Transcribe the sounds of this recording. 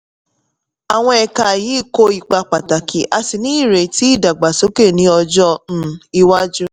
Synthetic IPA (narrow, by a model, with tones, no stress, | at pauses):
a˨w̃ɔ̃˧ɛ˧ka˧˨jiː˨˦˨ko˦i˨k͡pa˧k͡pa˨ta˨kʰi˨˦ʔa˧si˨nĩ˦i˦˨ɾe˨ti˨˦i˦˨da˨ɡ͡ba˨so˨˦ke˦˨nĩ˧˦ɔ˧d͡ʒɔ˦ñ̩˦i˧wa˦d͡ʒu˦